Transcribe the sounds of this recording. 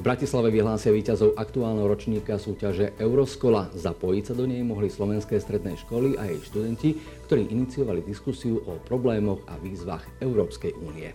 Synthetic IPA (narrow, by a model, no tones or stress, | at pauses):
vbɾacislaʋɛʋiɦlaːsɪaʋiːcazɔʊʔakt̪uaːlnɛɦɔɾɔt͡ʃɲiːkasuːcaʒɛʔɛʊɾɔskɔlazapɔjicsad̪ɔɲɛjmɔɦlislɔʋɛnskɛːst̪ɾɛd̪nɛ̰ːʃkɔliʔajɛjʃt̪ud̪ɛnci | kkt̪ɔɾiːʔinit͡siɔʋalid̪iskusiuʔɔpɾɔblɛːmɔɣa̰ʋiːzʋa̰ɣɛʊɾɔːpskɛjʔuːniɛ̰